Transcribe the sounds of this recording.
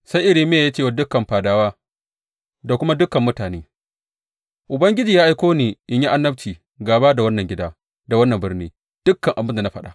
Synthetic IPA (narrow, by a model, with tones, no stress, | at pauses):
sa˦jʔɪ˨ɾiː˦mɪ˦ja˨jaː˦t͡ʃeː˦˨wa˦dʊ˦kːɐ˨mɸaː˨daː˦waː˦ | da˨kʷʊ˦ma˦dʊ˦kːɐ˨mːʊ˦taː˨neː˦ | ʔʊ˨bɐ˦ŋɡʲɪ˦d͡ʒiː˨jaː˦ʔa˦jkʷoː˦niː˨ʔɪ˦ɲji˦ʔa˦nːɐ˦ɸ̚t͡ʃiː˨ | ɡaː˨baː˦da˨wɐ˦nːɐ˨ŋɡʲɪ˦daː˦ | da˨wɐ˦nːɐ˨mbɪ˦rniː˦ | d̥ʊ˦kːɐ˨ŋʔa˨bɪ˦nda˨na˦ɸɐ˦ɗa̰˨